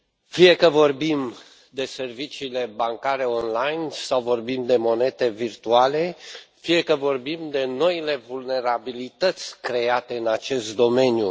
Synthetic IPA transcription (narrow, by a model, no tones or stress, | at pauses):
fije̞kəvo̞rbim | d̪e̞se̞rvit͡ʃiːle̞baŋkaɾe̞o̞nlajnsawvo̞rbimd̪e̞mo̞ne̞t̪e̞virt̪uale̞fije̞kəvo̞rbimd̪e̞no̞ile̞vulne̞ɾabilit̪ət̪sʲkɾe̞at̪e̞ɨnat͡ʃe̞st̪̚d̪o̞me̞nju